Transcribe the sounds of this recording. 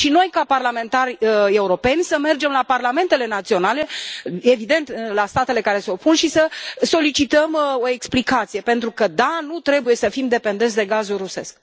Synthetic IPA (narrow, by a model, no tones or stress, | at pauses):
ʃino̞jkaparlame̞nt̪arʲəe̞uɾo̞pe̞nʲsəme̞rd͡ʒe̞mlaparlame̞nt̪e̞le̞nat̪sio̞nale̞e̞vid̪e̞nt̪ɨlast̪at̪e̞le̞kaɾe̞se̞o̞punʃisəso̞lit͡ʃit̪əmo̞e̞ksplikat̪sije̞pe̞nt̪ɾukəd̪anut̪ɾe̞buje̞səfimd̪e̞pend̪s̬d̪e̞ɡazulruse̞sk̚